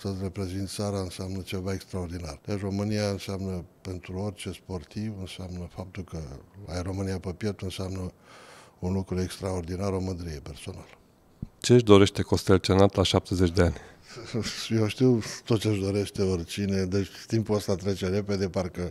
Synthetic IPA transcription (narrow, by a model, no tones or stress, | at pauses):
t̪əsre̞pɾe̞zint̪̚saɾaɨnseamnət͡ʃe̞vaekst̪ɾaord̪inard̪eʃro̞mɨniaɨnseamnəpe̞nt̪ɾuo̞rʲt͡ʃe̞spo̞rt̪ivɨnseamnəfap̚t̪ulkəa̰jro̞mɨnijapəpjet̪ɨnseamnə | unlukɾue̞kst̪ɾao̞rd̪inaɾoməd̪ɾije̞pe̞rso̞nal | t͡ʃeʒd̪o̞ɾe̞ʃt̪e̞ko̞st̪elt͡ʃenat̪laʃap̚t̪ezet͡ʃʲd̪eanʲ | jewʃt̪iwt̪ot̪t͡ʃeɨʒd̪o̞ɾe̞ʃt̪e̞o̞rt͡ʃine̞d̪et͡ʃʲt̪impuəst̪at̪ɾe̞t͡ʃe̞ɾe̞pe̞d̪e̞parkə